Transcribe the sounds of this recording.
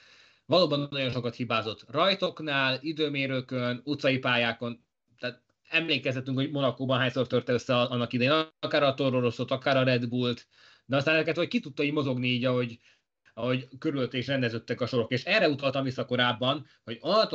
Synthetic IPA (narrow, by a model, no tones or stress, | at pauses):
vɒloːbɒnːɒjo̞nʃo̞kɒt̪hibaːzo̞t̪rɒjt̪o̞knaːlid̪øːmeːɾøkønut̪sɒjipaːjaːko̞n | t̪aːt̪ | ɛmleːkɛsɛt̪ːyŋkho̞ɟmo̞nɒkoːbɒnɦaːɲsort̪ørt̪ɛøsːɛɒnːɒkid̪ɛjeːnkaːɾɒt̪o̞ɾoɾo̞so̞t̪ɒkaːɾɒɾɛd̪buːlt̪ | d̪ɛɒst̪anɛzɛkɛt̪hoc̚kit̪ut̪ːɒiːɟmo̞zo̞ɡniiːɟɒɦo̞ɟ | ɒɦo̞ɟkøɾyløt̪ːɛkiʃrɛnd̪ɛzøt̪ːɛkɒʃo̞ɾo̞keːʃɛrɛut̪ɒlt̪ɒmvisːɒko̞ɾaːbːɒn | ho̞ɟɒt̪